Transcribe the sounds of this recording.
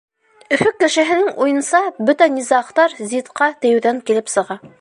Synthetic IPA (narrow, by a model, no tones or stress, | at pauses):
ɵ̆fɵkːɘ̆ʃɘ̆ɦɘ̆nɘŋujɤ̆nsɑbɵt̪ænizɑqt̪ɑɾzit̪qɑt̪ɘ̆jɘ̆wðæŋkilɘpsɤ̆ʁɑ